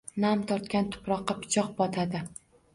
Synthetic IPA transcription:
namt̪ʰɒɾt̪kʲant̪ʰʊ̥pɾɒqːɑpɪ̥t͡ʃʰɒqbɒt̪ʰad̪ɪ

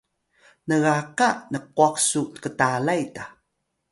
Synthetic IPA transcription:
nəɣaqanəq̚uaqsutkətalajta

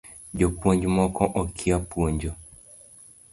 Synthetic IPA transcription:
ɟɔpwoɲd͡ʒmɔkɔʔɔkʰiapwoɲd͡ʒo

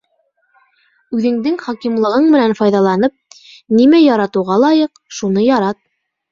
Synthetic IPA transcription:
ʉðɘ̆ŋd̪ɘŋχɑkimlˠɤ̆ʁɤɴmɘ̆nænfɑjðɑlˠɑnɤp̚ | nimæjɑɾɑt̪ŭʁɑlˠɑjɤqʃunɤjɑɾɑt̪̚

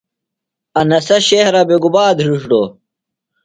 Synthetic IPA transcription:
ɐnɐsɐɕehɾɐbeɡubaːd̪ɾuʂʈo

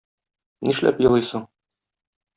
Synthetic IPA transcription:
niʃlæ̰pjɤ̆lˠɤjsɤɴ

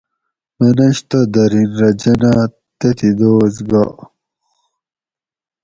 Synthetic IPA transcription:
mɐnɐɕt̪ɐd̪ɐɾinɾɐd͡ʑɐna | t̪et̪ʰid̪oːzɡa̰

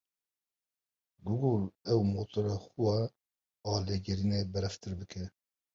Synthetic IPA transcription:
ɡʊɡulɛwmoːt̪ʰɨɾɑxuwɑ | ɑːleɡɛɾinebɛɾɛft̪ʰɨɾbɨkʰɛ

